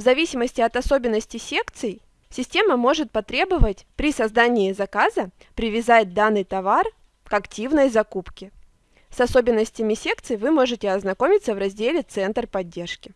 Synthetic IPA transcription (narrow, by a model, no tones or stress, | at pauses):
vzɐvʲisʲɪməsʲtʲɪɐt̪ɐso̞bʲɪnːəsʲtʲɪsʲe̞kt̪sɨj | sʲɪsʲtʲe̞məmo̞ʐɨt̪̚pɐt̪ɾʲe̞bɨvətʲpɾʲɪsɐzd̪anʲɪːzɐkazə | pɾʲɪvʲɪzat̚ʲd̪anːɨjt̪ɐvar | kɐktʲivnəjzɐkupkʲɪ | sɐso̞bʲɪnːəsʲtʲɪmʲɪsʲe̞kt̪sɨjvɨmo̞ʐɨtʲɪɐznɐko̞mʲɪt̪səvɾɐzʲdʲelʲɪt̪sɛnt̪rpɐdʲːe̞rʂkʲɪ